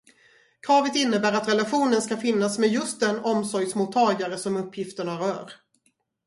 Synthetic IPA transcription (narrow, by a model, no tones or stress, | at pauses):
kʰɾɑːvət̪ɪnːəbæːɾat̪ɾɛlaɧuːnənskafɪnːasmɛd̪jɵst̪̚d̪ɛnɔmsɔɾjsmʊt̪ʰːɑːɡaɾəsɔmɵpʰːjɪft̪əɳaɾœ̰ːɾ